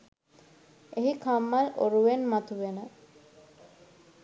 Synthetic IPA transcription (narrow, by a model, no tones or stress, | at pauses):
eɦikʰamːalo̰ɾuʋenmat̪uʋenə